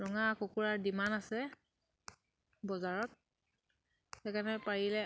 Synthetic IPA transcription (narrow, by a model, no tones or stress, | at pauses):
ɹɔŋakokuɹaɹdimanasɛ | bɔzaɹɔt̚ | xɛkanɛpaɹilɛ